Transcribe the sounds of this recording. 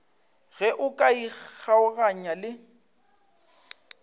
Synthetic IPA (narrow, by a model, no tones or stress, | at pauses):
ɣɛʔʊkʼaiaʊɣaɲalɪ